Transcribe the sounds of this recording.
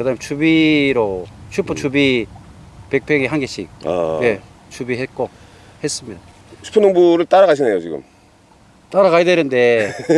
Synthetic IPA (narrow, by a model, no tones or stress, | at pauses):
kɯdamet͡ɕʰubiɾot͡ɕʰupʰot͡ɕʰubi | pek̚pʰeŋiɦanɡeɕʰḭk̚a̰je̞ | t͡ɕʰubiɦet̚k͈o | he̞s͈ɯmɲida | sʰu̥pʰonːoŋbuɾɯɭt͈aɾaɡaɕʰinejot͡ɕiɡɯ̰m | t͈aɾaɣaidenɯnde̞